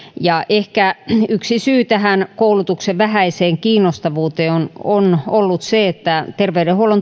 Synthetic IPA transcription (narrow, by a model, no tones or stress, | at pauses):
jɑʔehkæyksisyːt̪æhænkoulut̪ukseʋʋæhæiseːŋkiːnːost̪ɑʋuːt̪eːononolːut̪seet̪ːæt̪erʋeydehuolon